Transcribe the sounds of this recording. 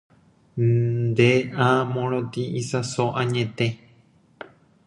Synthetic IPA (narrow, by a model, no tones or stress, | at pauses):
d̪eʔãmõɾõt̪iʔĩsasoʔãɲẽt̪e